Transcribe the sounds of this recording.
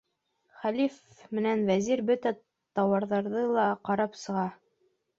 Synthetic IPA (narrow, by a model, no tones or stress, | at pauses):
χælif | mɘ̆nænvæziɾbɵt̪æ | t̪ɑwɑɾðɑɾðɤlˠɑqɑɾɑpsɤ̆ʁɑ